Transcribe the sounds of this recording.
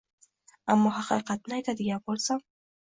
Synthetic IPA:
amːɔhaqḭqat̪̚najt̪ad̪ɪɡʲapɔɾsam

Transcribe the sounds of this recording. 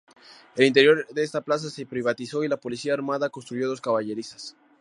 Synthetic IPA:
e̞lint̪e̞ɾjo̞ɾdeest̪aplas̬asepɾiβat̪iso̞ilapo̞lisiaːɾmaðako̞nst̪ɾuʝo̞ðoskaβaʝe̞ɾisḁs

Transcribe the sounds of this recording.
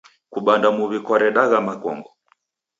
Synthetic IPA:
kuɓandamuβikɔɾɛɗaɣamakɔ̰ŋɡɔ

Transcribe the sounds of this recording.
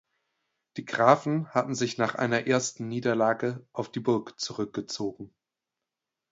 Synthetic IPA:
d̥iːɡʁaːfn̩hatn̩zɪçnaːχʔa̰ɪnɐʔeːɐstn̩niːdɐlaːɡəʔaʊfd̥iːbʊɐkt͡suʁʏk̚ɡ̥ət͡soːɡŋ̩

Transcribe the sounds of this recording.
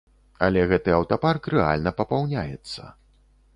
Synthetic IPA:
ɐ̰lʲɛɣɛt̪ɨɐwt̪aparkrɛa̰lʲnɐpɐpawnʲajɛ̰t̪sːɐ̰

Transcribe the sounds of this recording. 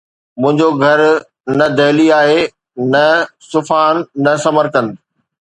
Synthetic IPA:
mʊ̃ɦɪ̃ɲd͡ʑoɡʱɐɾ | nɐd̪ɐɦːliaːɦe | nɐsʊfaːnːɐsɐməɾkən

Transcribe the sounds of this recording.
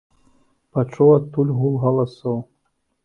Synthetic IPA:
pat͡ʂɔwat̪ːulʲɣulˠɣɐlˠasɔw

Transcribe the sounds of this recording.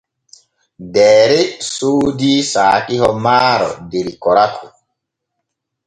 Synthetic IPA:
dɛːɾɛsuːdisaːkihɔmaːɾɔ̰deɾikɔɾakʰu

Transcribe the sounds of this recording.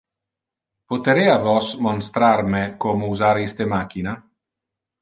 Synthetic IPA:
pot̪eɾeavɔsmonst̪ɾaɾmekomouzaɾist̪emak̟ina

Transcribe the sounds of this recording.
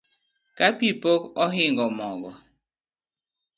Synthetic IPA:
kapipokɔɦiŋɡɔmɔɡɔ

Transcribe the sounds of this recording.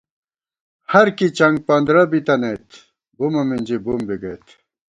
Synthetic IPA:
hɐɾkit͡ɕɐŋɡ̚pɐnd̪ɾɐbit̪ɐnejt̪ | bumɐmind͡ʑibumbiɡɐjt̪

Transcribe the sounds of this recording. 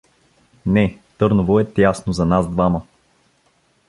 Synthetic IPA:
nɛt̪ɤɾnovoɛt̪jasnozɐnazd̪vamə

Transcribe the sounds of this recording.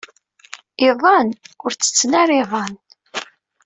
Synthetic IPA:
ɪðˤɑnʊɾt͡sːə̥t͡sːnæɾiðˤɑn

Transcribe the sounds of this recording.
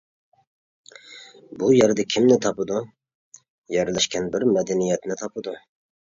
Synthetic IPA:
bujɛɾd̪ɛkʲʰimnɪt̪ʰɑpɨd̪u | jɛɾlɛʃkʲʰɛnbɪɾmɛd̪ɛnijɛt̪nɪt̪ʰɑpɨd̪u

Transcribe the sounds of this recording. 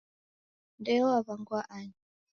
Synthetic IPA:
ndɛɔaβaŋɡwaʔaɲi

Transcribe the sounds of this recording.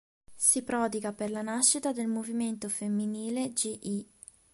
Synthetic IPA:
sipɾɔːd̪iɡaperlanaʃːit̪ad̪elmoviment̪ofemːiniːled͡ʒiʔi

